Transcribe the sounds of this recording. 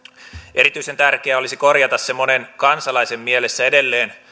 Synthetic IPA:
ʔe̞ɾit̪yise̞nt̪ærkeæo̞lisiko̞rjɑt̪ɑssemːonenkɑnsɑlɑisemːielesːæede̞lːeːn

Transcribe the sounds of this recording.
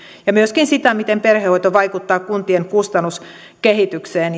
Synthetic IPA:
jɑmyøskinsit̪æmit̪emperheoit̪oʋɑikut̪ːɑːkunt̪ieŋkust̪ɑnːus | kehit̪ykseːn

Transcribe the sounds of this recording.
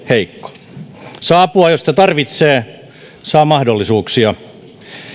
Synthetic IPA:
heikːo̥ | sɑːpuɑjost̪ɑt̪ɑrʋit̪seː | sɑːmɑhdolːisuːksiɑ

